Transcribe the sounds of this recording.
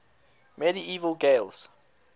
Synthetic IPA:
mɛɾiiːvəlɡelˠz̥

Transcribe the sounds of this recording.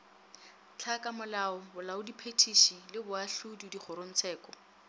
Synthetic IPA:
t͡ɬʰakamʊlaɔbʊlaʊdipʰetʰiʃilɪbʊaɬududiχʰʊɾon̩t͡sʰɛːkɔ

